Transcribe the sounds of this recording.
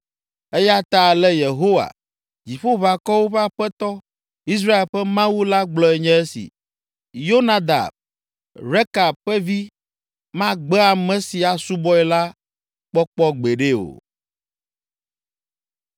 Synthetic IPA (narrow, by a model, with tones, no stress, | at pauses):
ɛ˦ja˦t̪a˨lɛ˦je˨ɦo˦wa̰˨ | d͡ʑi˨ɸo˦βa˨kɔ˦wo˦ɸa˦ɸɛ˦t̪ɔ˦ | i˦s̬ɾa˦e˨lɸɛ˦mã˦wu˦la˦ɡ͡blɔ˨ɛ˨ɲɛ̃˦ɛ˦sḭ˨ | jo˦na˦d̪a̰˨b | ɾe˦ka˨bɸɛ˦vi˦ | mã˦ɡ͡bɛ˦a˨mɛ̃˦si˨a˨su˦bɔ˦ɛ˨la˦ | k͡pɔ˦k͡pɔ˦ɡ͡be˨ɖe˦o̰˨